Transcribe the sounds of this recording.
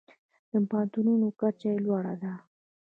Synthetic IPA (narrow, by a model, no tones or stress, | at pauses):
d̪̥əmpɑnt̪ununokaɾt͡ʃajelwɑɽa̰d̪a